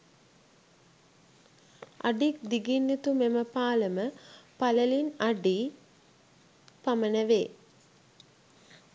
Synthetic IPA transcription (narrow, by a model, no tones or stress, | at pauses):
aɖik̚d̪iɡinːit̪umeməpaːləməpaləlinaɖi | pamənəʋeː